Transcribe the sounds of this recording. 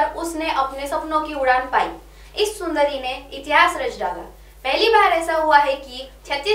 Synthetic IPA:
ɾʊsneʔɐpnesɐpnõkiʊɽaːnpa̰ːḭ | ɪsːʊ̃nd̪əɾimẽɪt̪ɪɦaːsɾɐd͡ʒɖaːɡa̰ː | pɛɦlibaːɾɛːsaɦuaɦɛkit͡ʃʰɐt̪ːi

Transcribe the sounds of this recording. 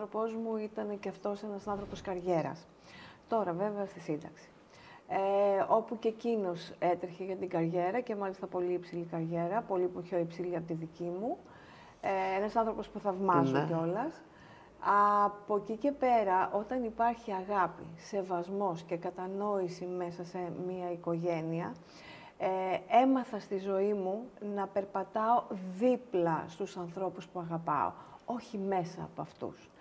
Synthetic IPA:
ɾo̞po̞zmuit̪ɐne̞ceɐft̪o̞se̞nɐsɐnθɾo̞po̞skɐɾʝe̞ɾɐ̰s | t̪o̞ɾɐve̞veɐst̪isind̪ɐ̰ksi̥ | o̞pucecino̞set̪ɾeçeʝɐt̪iɡɐɾʝe̞ɾɐce̞mɐlist̪ɐpo̞liipsilikɐɾʝe̞ɾɐpo̞lipoço̞ipsiliɐpot̪iðicimu | e̞nɐsɐnθɾo̞po̞spuθɐvmɐsoceo̞lɐs | ɐpo̞cice̞pe̞ɾɐʔo̞t̪ɐnipɐɾçiɐɣɐpḭse̞vɐzmo̞sce̞kɐt̪ɐno̞isime̞sɐsemiɐiko̞ʝe̞niɐ | e̞mɐθɐst̪izo̞imunɐpe̞ɾpɐt̪ɐo̞ðiplɐst̪usɐnθɾo̞puspuɐɣɐpɐ̰o̰o̞çime̞sɐ̰ːpoɐft̪ṵs

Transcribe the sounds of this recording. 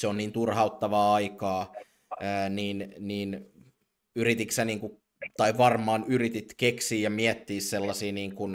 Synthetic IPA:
seonniːnt̪urhɑut̪ːɑʋɑːɑikɑː | əːniːnniːn | yrit̪iksæniːŋku | t̪ɑiʋɑrmˑɑːnyrit̪it̪keksiːjɑmiɛt̪ːiːsselːɑsiːniːŋkun

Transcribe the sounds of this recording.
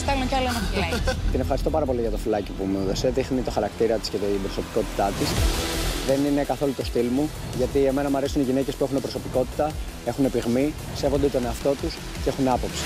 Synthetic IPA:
st̪eɣnocɐloenɐɐt̪ine̞fxɐɾist̪o̞pɐɾɐpo̞liʝɐt̪o̞filɐcipumeuðoseðixnit̪o̞xɐɾɐkt̪iɾɐt̪isce̞t̪ibɾoso̞pi̥ko̞t̪i̥t̪ɐt̪isðe̞nine̞kɐθo̞lut̪o̞st̪ilmu | ʝɐt̪ie̞me̞nɐmuɐɾesuniʝinece̞spue̞xunepɾo̞so̞piko̞t̪i̥t̪ɐ | e̞xune̞piɣmi | se̞vo̞nd̪et̪o̞ne̞ɐft̪o̞t̪us | cee̞xunɐpo̞psi̥

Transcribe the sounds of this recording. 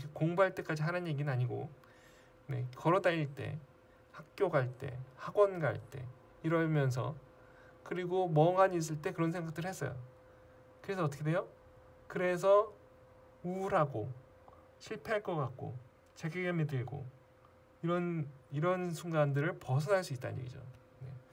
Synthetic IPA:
kʰekoŋbaɭt͈e̞k͈ad͡ʑiɦanɯnje̞ɡinɯnaɲiɡo̰ | ne̞kʌɾʌdaiɭt͈e̞̰ | hak̚k͈joɡaɭt͈e̞̰haɡwʌnɡaɭt͈e̞̰ | iɾʌmjʌns̬ʰʌ̰ | kɯɾiɡomʌŋaɲiːs̬͈ɯɭt͈e̞kɯɾʌnsʰeŋɡak̚t͈ɯɾɯɭɦhe̞s͈ʌ̰jo̰ | kɯɾe̞sʰʌːt͈ʌkʰeejo | kɯɾe̞s̬ʰʌ | uɾɦaɡo | ɕʰiɭpʰe̞aɭk͈ʌk͈ak̚k͈o̰ | t͡ɕe̞ɡeɡemedɯɭɡo̰ | iɾʌniɾʌnsʰuŋɡandɯɾɯɭpʌs̬ʰʌnaɭs͈uit̚t͈a̰ɲjḛɡḭd͡ʑo̰ | ne̞

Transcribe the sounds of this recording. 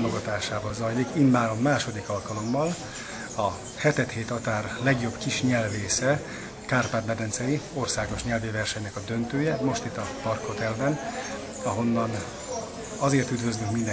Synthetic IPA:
moɡɒt̪aːʃaːbɒzɒjlikinbaːɾo̞mːaːʃo̞d̪ikɒlkɒlo̞mːɒl | ɒ | hɛt̪ɛt̪heːt̪ɒt̪aːrlɛɡjo̞bkiʃɲɛlveːsɛ | kaːrpaːt̪mɛd̪ɛnt̪sɛjio̞rsaːɡo̞ʃɲɛlvivɛrʃɛɲnɛkɒd̪ø̞nt̪øːjɛmo̞ʃt̪it̪ːɒpɒrkho̞t̪ɛlbɛn | ɒɦo̞nːɒn | ɒzeːrt̪yd̪vø̞zlyŋkmind̪ɛ

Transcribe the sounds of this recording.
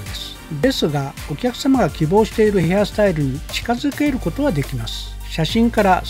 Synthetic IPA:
esɨ̥ | d̪e̞sɨɡa | o̞kʲakɯ̟̥samaɡakʲibo̞ːɕi̥t̪e̞iɾɯ̟he̞asɨ̥t̪aiɾɯ̟ɲ̟it͡ɕi̥kazɨke̞ɾɯ̟ko̞t̪o̞βad̪e̞kʲimasɨ̥ | ɕaɕĩŋkaɾa

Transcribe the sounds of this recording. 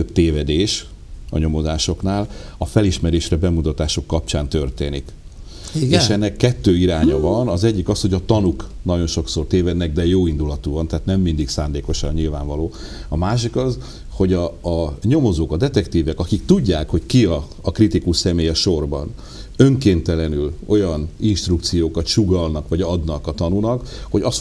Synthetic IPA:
t̪øbt̪eːvɛd̪eːʃ | ɒ̰ɲo̞mo̞zaːʃo̞knaːlɒfɛliʃmɛɾeːʃrɛbɛmut̪ɒt̪aːʃo̞kːɒp̚t͡ʃaːnt̪ø̞rt̪eːnik | iɡeːʃɛnːɛkːɛt̪ːøːiɾaːɲɒvɒnɒzɛɟːikɒsho̞ɟɒt̪ɒnuknɒɟo̞nʃo̞kso̞rt̪eːvɛd̪nɛɡ̚d̪ɛjoːind̪ulɒt̪uvɒnt̪ɛaːt̪nɛmːind̪iksaːnd̪eːko̞ʃɒnɲilvaːɱvɒloːɒmaːʃ̬ikɒz | ho̞ɟɒːɲo̞mo̞zoːkɒd̪ɛt̪ɛkt̪iːvɛkɒkikt̪uɟːaːkho̞ckiɒː | krit̪ikuʃsɛmeːjɛʃo̞rbɒ̰n | ø̞ŋkeːnt̪ɛlɛnylo̞jɒninʃt̪rukt̪sijoːkɒt̪ʃuɡɒlnɒkʋɒɟɒd̪nɒkɒt̪ɒnunɒkho̞ɟɒs

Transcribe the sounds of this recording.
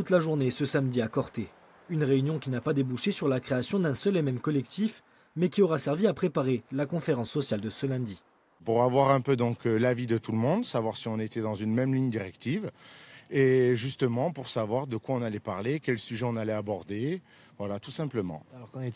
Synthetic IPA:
t̪ut̪laʒuʁnesəsamd̪iakɔʁt̪e | ynʁeynjɔ̃kʲinapad̪ebuʃesyʁlakχeasjɔ̃d̪ɛ̃sœlemɛmkɔlɛk̚t̪ʰif | mɛkʲiɔʁasɛʁviapχepaʁelakɔ̃feʁɑ̃sːɔsjald̪əsəlɛ̃d̪i | puʁavwaʁɛ̃pød̪ɔ̃klavid̪ət̪uləmɔ̃d̪savwaʁsiɔ̃net̪ɛd̪ɑ̃zynmɛmliɲd̪iʁɛkt̪iv | eʒyst̪əmɑ̃puʁsavwaʁd̪əkwaɔ̃nalɛpaʁlekʲɛlsyʒɛɔ̃nalɛabɔʁd̪e | vwalat̪usɛ̃pləmɑ̰̃ɔ̃

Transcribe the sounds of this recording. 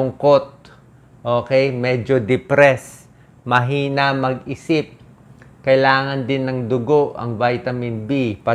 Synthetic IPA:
ʊŋkot̪̚ | ʔoːkɛjmɛd͡ʒod̪ɛpɾɛs | mɐɦiːnɐmɐɡɪsɪp̚ | kɐɪlaːŋɐnd̪ɪnːɐŋd̪ʊɡoʔɐ̰ŋvajt̪ɐmɪnbipɐ

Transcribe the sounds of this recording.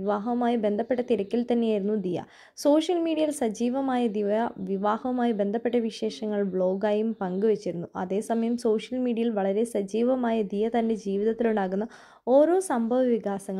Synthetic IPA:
iʋaːɦɐmaːjibe̞nd̪ʱɐpːeʈːɐt̪iɾɐkʲːilt̪ɐnːejaːjiɾunːud̪ijɐ̰ | so̞ːʂjɐlmiːɽijɐjilsɐd͡ʑiːʋɐmaːjɐd̪iɐʋiʋaːhɐmaːjibe̞nd̪ʱɐpːe̞ʈːɐʋiɕe̞ːʂɐŋːɐɭbɭo̞ːɡaːjumpɐŋɡɨʋet͡ɕːiɾunːuʔɐ̰ðe̞ːsɐmɐjɐmso̞ːʂjɐlmiːɽiɐjilʋɐɭɐɾe̞sɐd͡ʑiːʋɐmaːjɐd̪ijɐt̪ɐnde̞d͡ʑiːʋiðɐt̪ːiluɳɖaːɣunːɐ | o̞ːɾo̞ːsɐmbʱɐʋɐʋiɡaːsɐŋːɐ

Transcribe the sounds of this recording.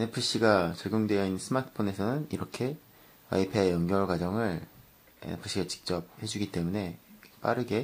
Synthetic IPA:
epʰɯɕ͈iɡat͡ɕʌɭɡjoŋdwe̞jʌinːɯnsʰɯmatʰɯ̥pʰone̞sʰʌnɯniɾʌkʰe̞ | a̰ipʰeejʌŋɡjʌɭɡwad͡ʑʌŋɯɭ̰ | pʰɯɕ͈iɡat͡ɕi̥k̚t͡ɕ͈ʌp̚he̞d͡ʑuɡit͈e̞mune̞p͈a̰ɾɯɡe̞

